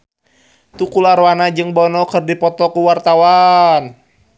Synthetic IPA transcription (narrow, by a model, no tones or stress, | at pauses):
t̪ukulaɾwanad͡ʒɨŋbɔnɔkɨrdipɔt̪ɔkuwart̪awan